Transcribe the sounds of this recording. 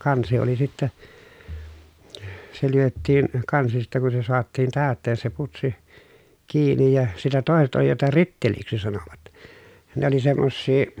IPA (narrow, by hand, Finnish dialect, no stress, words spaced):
kɑnsi oli sitːæ se lyøtːiːn kɑnsi sitːɛ kun se soɑtːiːn tæˑøtːeːn se putsi kiːnij jɑ sitɛ toˑeset oli jotɑ ritːeliksi sɑnoʋɑt ne oli semːosːiː